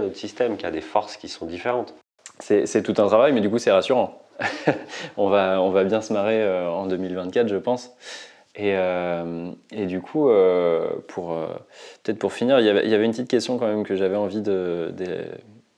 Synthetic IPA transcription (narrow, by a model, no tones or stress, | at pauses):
nɔt̪χsist̪ɛmkʲiad̪efɔʁskʲisɔ̃d̪ifeʁɑ̃t̪ | sɛsɛt̪ut̪ɛ̃t̪χavajmɛd̪ykusɛʁasyʁɑ̃ | ɔ̃vaɔ̃vabjɛ̃səmaʁeøɑ̃d̪ømilvɛ̃t̪̚kʲat̪χʒəpɑ̃s | eømed̪ykʰuøpʰuʁø̰pət̪ɛt̪χpuʁfiniʁiljavɛ̰ʔiljavɛynt̪it̪̚kʲɛst̪jɔ̃kɑ̃mɛmkəʒavɛɑ̃vid̪əd̪ḛ